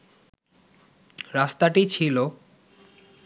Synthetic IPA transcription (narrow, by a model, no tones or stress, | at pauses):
ɾast̪aʈit͡ɕʰilo